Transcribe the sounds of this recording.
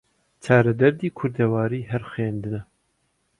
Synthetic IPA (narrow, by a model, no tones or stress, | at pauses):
t͡ʃʰɑːɾɐd̪ɐɾd̪iːkʰʊɾd̪ɛwaːɾiːɦɛɾxeːnd̪ɨnɛ